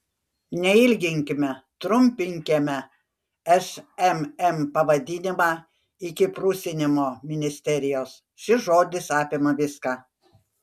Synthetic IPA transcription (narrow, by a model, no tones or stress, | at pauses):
nʲɛɪlʲɡʲɪŋʲkʲɪmʲɛt̪ɾʊmʲpʲɪŋʲkʲemʲɛ | ɛʃɛmɛmpɐʋɐd̪ʲɪnʲɪmɑː | ɪkʲɪpɾʊsʲɪnʲɪmoːmʲɪnʲɪsʲt̪ʲɛɾʲɪjoːs | ʃʲɪʒoːd̪ʲɪsɑːpʲemɐʋʲɪskɑː